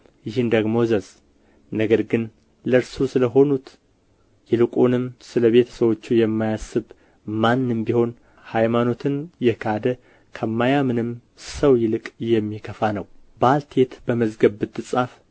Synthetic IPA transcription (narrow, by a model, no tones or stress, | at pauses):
jɪɦɨnd̪əɡmo̞zəz | nəɡəɾɡɨn | ləɾsusɨləɦo̞nut̪ | jɛlɨkʼunɨmsɨləβe̞t̪ʰə̥səwo̞t͡ʃːujɛmːajasːɨβ | manːɨmbiho̞n | hajmano̞t̪ʰɨnjɛkʰad̪ə | kʰəmːajamɨnɨm | səwjɪlɨkʼjɛmːikʰəfanəwbalt̪ʰe̞t̪bəməzɡəβːɨt̪ʰːɨsʼaf